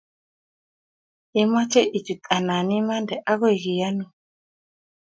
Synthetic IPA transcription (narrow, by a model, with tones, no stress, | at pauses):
i˦ma˦t͡ʃɛ˦ʔi˨t͡ʃi˨tʼa˨na˨ni˦ma˦ndɛ˨ʔa˦ɣɔ˦˨ɣi˨ja˦nu˦